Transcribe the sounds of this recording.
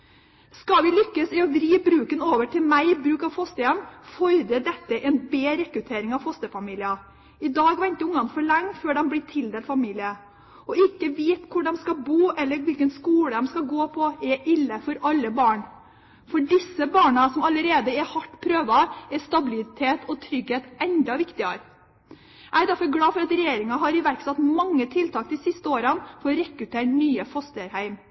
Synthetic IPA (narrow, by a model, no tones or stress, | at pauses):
skɑʋɪlʏkːəsɪɔʋɾiːbɾʉːkənoːʋəʈʰɪlmæɪbɾʉːkɑʋfɔst̪əjɛmfɔɾd̪əd̪ɛt̪ːəʔɛnbeːɾɛkɾʉt̪ʰeːɾɪŋɑʋfɔst̪əfɑmiːlɪɑ | ɪd̪ɑːɡʋɛnt̪əʊŋɑnfɔɭɛŋːføːɖɛmblɪt̪ʰɪld̪eːlfɑmiːlɪə | ɔɪkːəʋeːt̪kʰʊɖɛmskɑbuːʔɛlːəɾʋɪlkənskuːɽəd̪ɛmskɑɡoːpʰɔɛʔɪlːəfɔɾɑlːəbɑːɳ | fɔɖɪsəbɑːɳɑsɔmɑləɾeːd̪əɛhɑʈːpʰɾøːʋɑɛst̪ɑbɪlɪɪt̪ʰeːt̪ʰɔt̪ʰɾʏɡheːt̪ɛnd̪ɑʋɪkt̪ɪɑɾ | ʔæɪd̪æɾfɔɾɡlɑːfɔɾɑt̪ɾɛjeːɾɪŋɑɦɑɾɪʋæɾksɑt̪mɑŋːət̪ʰɪlt̪ʰɑːkt̪ɪsɪst̪əoːɾənfɔɾɔɾɛkɾʉt̪ʰeːʈnyːəfɔst̪əɾhæɪm